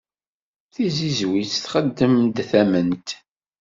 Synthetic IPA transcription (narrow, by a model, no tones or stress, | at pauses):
θizizwit͡sθχəd̪ːəmd̪θæmənt̪